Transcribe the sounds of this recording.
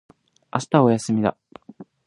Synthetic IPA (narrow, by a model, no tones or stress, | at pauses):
asɨ̥t̪ao̞jasɨmʲid̪a̰